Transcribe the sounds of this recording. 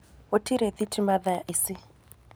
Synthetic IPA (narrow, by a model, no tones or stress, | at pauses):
wotʰiɾet̪itʰimaðaʔisi